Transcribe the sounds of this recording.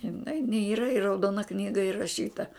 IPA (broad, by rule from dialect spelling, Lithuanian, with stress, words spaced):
ɪˈnɐɪ n ˈiːrɐ ɪ rɐʊˈdoːnɐ ˈknʲiːɡɐ ɪrɐˈʃʲiːtɐ